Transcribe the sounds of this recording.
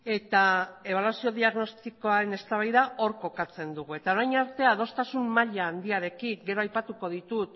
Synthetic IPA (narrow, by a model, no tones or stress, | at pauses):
e̞t̪ae̞β̞alwasio̞ðiaɣno̞st̪iko̞aɾe̞ne̞st̪aβajðao̞ɾko̞kat͡se̞nd̪uɣ̞ue̞t̪ao̞ɾajɲaɾt̪e̞að̞o̞st̪asummaʎaːnd̪iaɾe̞kiɡe̞ɾo̞ajpat̪uko̞ð̞it̪ut̪